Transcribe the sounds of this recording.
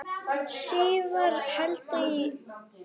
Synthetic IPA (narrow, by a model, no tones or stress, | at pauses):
ʃiːvəɾˤħalt̪ˤi